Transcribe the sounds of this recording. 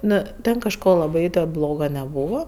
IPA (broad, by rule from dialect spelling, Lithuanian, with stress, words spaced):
ˈnʊ ˈtʲɛn kɐʃˈkoː lˠɐˈbɐɪ tʲɛn ˈblˠoːɡɐ nʲɛˈbuːʋɐ